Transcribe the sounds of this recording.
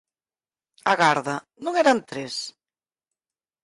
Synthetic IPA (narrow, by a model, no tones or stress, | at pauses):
aɣaɾðɐ | nõŋɛɾant̪ɾes